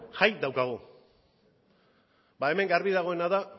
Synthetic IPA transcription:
ʝajd̪awkaɣ̞u | bae̞me̞ŋɡaɾβiðaɣ̞o̞e̞naða

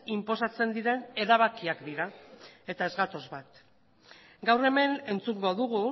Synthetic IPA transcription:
impo̞sat͡se̞nd̪iɾe̞ne̞ɾaβ̞akiakd̪iɾae̞t̪ae̞zɣat̪o̞zβat̪ | ɡawre̞me̞ne̞nt͡suŋɡo̞ðuɣu

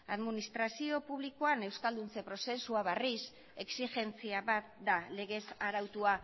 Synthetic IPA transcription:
aðminist̪ɾasio̞puβlikoane̞wskald̪unt͡se̞pɾo̞se̞suaβeris | e̞ksixe̞nt͡siaβat̪̚d̪ale̞ɣ̞e̞saɾawt̪ua

